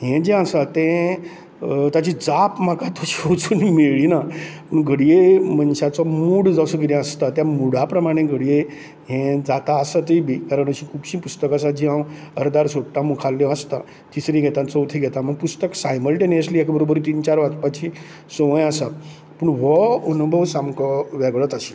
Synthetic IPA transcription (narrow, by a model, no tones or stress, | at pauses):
ɦɛ̃d͡ʑɛ̃əsat̪ɛ̃ | t̪at͡ɕid͡zapm̤akat̪ʰoɕiot͡suːnmeɭinapəɳɡəɽjemənɕat͡sɔmuːɽd͡zasəɡəɾɛ̃əst̪at̪jamuɽ̤apɾəmaɽ̃ẽɡəɽije | ɦɛ̃d͡zat̪aəsat̪əibʱikaɾəɳ̃əɕĩkʰubɕĩpust̪əkasad͡ʑĩɦãwəɾd̪aɾsoʈːãmukʰalːeəst̪a | t̪isɾĩɡʱɛt̪ãt͡sɔut̪ʰeɡʱɛt̪aməɡ̚pust̪əksajməlʈenəsliːɛkbəɾobəɾt̪iːnt͡ɕaɾʋat͡s̪pat͡ɕi | soʋjasa | pəɳʋɔunbʱəʋsamkʰɔʋɛɡɭət̪əɕi̥